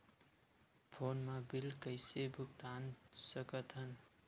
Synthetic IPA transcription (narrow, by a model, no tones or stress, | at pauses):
pʰonmabilkʌjsebʱuk̚t̪ansʌkʌt̪ʰʌn